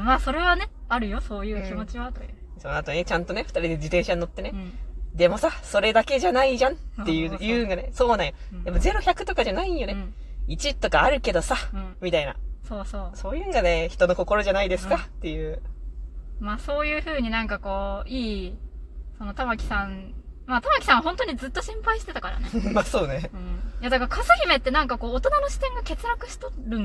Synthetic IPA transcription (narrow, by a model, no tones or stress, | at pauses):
maːso̞ɾe̞βane̞aɾɯ̟jo̞so̞ːjɯ̟ːkʲimo̞t͡ɕiβa | sonoat̪o̞ne̞t͡ɕãnt̪o̞ne̞ɸɯ̟t̪aɾʲid̪e̞d͡ʑit̪ẽɰ̃ɕaɲino̞t̪ːe̞ne̞d̪e̞mo̞saso̞ɾe̞d̪ake̞ʑanaiʑãnt̪ːe̞jɯ̟ːjɯ̟ŋɡaneso̞ːnãɰ̃jo | d̪emːaze̞ɾo̞çakɯ̟t̪o̞kaʑanaijo̞ne | it͡ɕit̪ːo̞kaːɾɯ̟ke̞d̪o̞sãmʲit̪aina̰so̞ːsoːso̞ːjɯ̟̃ŋɡane̞çi̥t̪o̞no̞ko̞ko̞ɾo̞ʑanaid̪e̞sɨ̥kat̪ːe̞jɯ̟ː | maːso̞ːjɯ̟ːɸɯ̟ːɲ̟inãŋkako̞ːiː | so̞no̞t̪amakʲi̥sãnmaːt̪amakʲi̥sãɰ̃aɦõ̞nt̪oɲ̟izɨt̪ːo̞ɕĩmpaiɕi̥t̪e̞t̪akaɾa̰nemaso̞ːneɯ̟̃jad̪akakasɨçʲime̞t̪ːe̞nãŋkako̞ːt̪o̞nanoɕi̥t̪ẽ̞ŋɡake̞t͡sɨɾakɯ̟ɕi̥t̪oɾɯ̟̃n